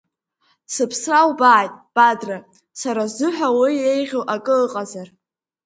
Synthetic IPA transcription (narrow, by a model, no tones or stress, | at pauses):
sɨpʰsrawbaːjtʼb̥adra | saɾazɨħʷᶣawie̞jʁʲowʔakʼɨqʼazar